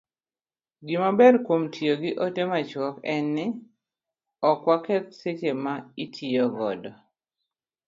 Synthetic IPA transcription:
ɡɪmabɛdkwomtʰioɡɪʔotemat͡ʃwɔkɛnːɪ | ɔkwakɛt̪̚set͡ʃemaitʰiɔɡɔ̰dɔ

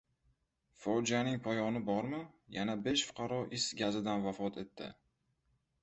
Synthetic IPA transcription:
fɒwd͡ʒanɪŋpʰɒjɒnɪbɒɾmɪjanabeʃfʊ̥qʰɑɾɒʔɪsɡʲazɪd̪anvafɒt̪ʰe̞t̪ʰːɪ̰

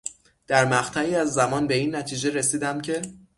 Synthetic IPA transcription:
d̪̥æɾmæχt̪ʰæiːæzːæmɒːnbe̞iːnːæt̪ʰiːd͡ʒe̞ɾe̞siːd̪æmcʰe̞

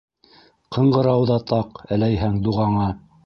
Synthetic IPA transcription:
qʰɤ̆ɴɢɤ̆ɾɑwðɑt̪ʰɑqælæjɦæŋd̪uʁɑɴɑ

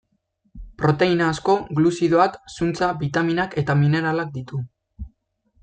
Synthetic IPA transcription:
pɾo̞t̪e̞inaːsko̞ɣlusiðoaksunt͡saβit̪aminake̞t̪amine̞ɾalak̚d̪it̪u

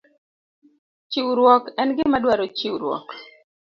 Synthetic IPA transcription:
t͡ʃiwɾwɔkɛnɡɪmadwaɾot͡ʃiwɾwɔ̰k

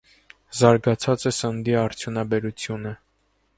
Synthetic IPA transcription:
zɑɾɡɑt͡sʰɑt͡səsənd̪iɑɾt͡sʰjunɑbɛɾut͡sʰjunə

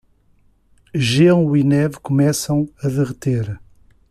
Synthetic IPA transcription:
ʒiɐ̃w̃winɛvkumɛsɐ̃w̃ɐðɨʁɨt̪eɾ

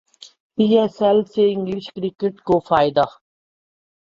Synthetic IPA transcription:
piːɛsɛlseɪŋɡliʃkɾikeʈkofaːjd̪a

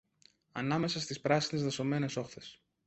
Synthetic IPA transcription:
ɐ̰nɐme̞sɐst̪ispɾɐsinezðɐso̞me̞ne̞so̞xθe̞s

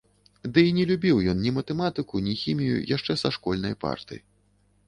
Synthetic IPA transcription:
d̪ɨinʲɛlʲubʲiwjɔnnʲimɐt̪ɛmat̪ɨkunʲixʲimʲijṵjaʂt͡ʂɛsaʂkɔlʲnɐjpa̰rt̪ɨ̰jḭ

